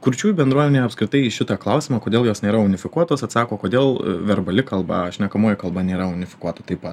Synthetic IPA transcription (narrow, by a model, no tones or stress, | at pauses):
kʊɾʲt͡ʃʲuːjbʲɛnd̪ɾuɔmʲɛnʲuɐpskɾʲɪt̪ɐɪɪʃʲɪt̪ɐːklˠɐʊsʲɪmɑːkoːdʲeːlˠjoːsnʲeːɾɐʊnʲɪfʲɪkuɔt̪oːsɐt̪sɑːkoːkoːd̪ʲeːlˠʋʲɛɾbɐlʲɪkɐlˠbɐ̰ɐʃʲnʲɛkɐmoːjɛkɐlˠbɐnʲeːɾɐʊnʲɪfʲɪ̥kuɔt̪ɐt̪ɐɪpɐt̪